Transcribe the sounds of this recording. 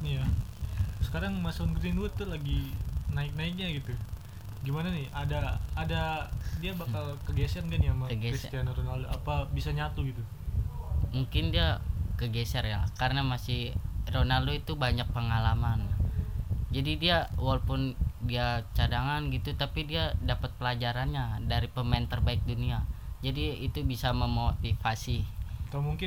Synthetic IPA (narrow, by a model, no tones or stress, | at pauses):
ja | sə̥kaɾaŋmasaunɡɾɪnwʊt̪ːʊlaɡinaɪk̚naɪk̚ɲaɡit̪u | ɡimananɪhadaːdadiabakalkəɡɛsɛrnɡanjamakəɡeɾist̪ianɾonaldoapabisaɲat̪uɡit̪u | muŋkɪndiakəɡɛsɛrja̰kaɾənamasɪhronaldoit̪ubaɲak̚pəŋalaman | d͡ʒadidiawalopʊndiat͡ʃadaŋanɡit̪ut̪apidiadapət̪̚pəlad͡ʒaɾanɲadaɾipəmant̪ərbaɪk̚duniad͡ʒadiːt̪ubisaməmot̪ifasik̪amuŋkɪn